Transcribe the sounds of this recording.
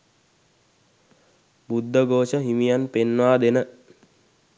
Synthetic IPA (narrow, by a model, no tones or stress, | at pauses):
bud̪ːəɡoːʃəɦimijanpenʋaːd̪enə